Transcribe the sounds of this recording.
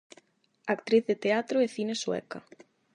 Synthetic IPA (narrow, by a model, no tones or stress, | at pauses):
akt̪ɾiθðet̪eat̪ɾoeθineswɛ̰kɐ̰